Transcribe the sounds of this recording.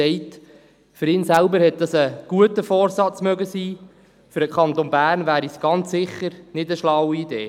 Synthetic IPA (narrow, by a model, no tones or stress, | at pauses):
ɛɪt | fʏɾɪːnsælbəɾhɛt̚d̥ɑsəɡ̥uətəfɔːɾsɑt͡smœɡəsiː | fʏɾdəkʰχɑnt̪onbæːrnvæːɾisɡ̥ɑnt͡sːɪχːəɾnɪdəʃlɑwiideː